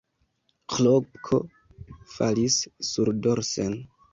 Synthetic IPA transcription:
klobkʰo̰ | fa̰lisːuɾdoɾsen

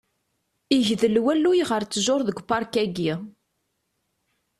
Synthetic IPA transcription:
iʝðəlwælːujʁəɾt͡sːəʒoɾˤðəɡʷpːɑɾˤkæɡi

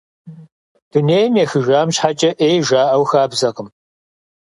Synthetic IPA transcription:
d̥uneːjmjexɨʒʷaːmɕħat͡ʃʼɐʔeːjʒaːʔɐwxaːbzɐqʼəm

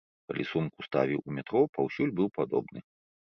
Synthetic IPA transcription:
kalʲisumkust̪a̰vʲiwumʲɛt̪ɾɔpawsʲulʲbɨwpad̪ɔ̰bnɨ

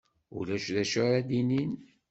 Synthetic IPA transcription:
ṵlæʃðæʃʊɾæd̪inin

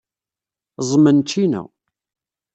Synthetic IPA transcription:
zˤmənt͡ʃːinæ̰

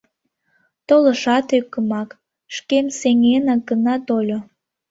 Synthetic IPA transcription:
t̪oləʃɑt̪økːəmɑk | ʃkemseŋenɑɡənɑt̪olʲo

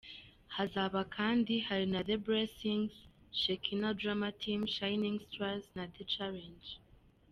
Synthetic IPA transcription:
hazaβakʰãndihadnaðebɹɛsĩŋz | ʃekʰinodɹamatʰĩmʃajnĩŋstɹaznaðet͡ʃaɹɛ̃nd͡ʒ

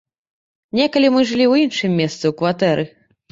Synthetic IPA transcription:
nʲɛkɐlʲimɨʐɨlʲiwjinʂɨmʲːɛst̪sɨwkvat̪ɛɾʔɨ

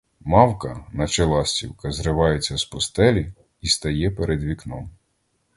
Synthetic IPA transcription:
mɑwkɐnɐt͡ʃelˠɑsʲtʲḭwkɐzrɪʋɑjet͡sʲːɐspɔst̪ɛlʲi | ist̪ɐjɛpeɾʔed̪ʋʲiknɔm

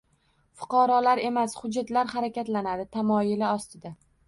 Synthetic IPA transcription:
fʊ̥qʰɒɾɒlaɾe̞mashʊd͡ʒːat̪laɾhaɾakʲat̪lanad̪ɪt̪ʰamɒjɪlɪɒst̪ɪd̪a

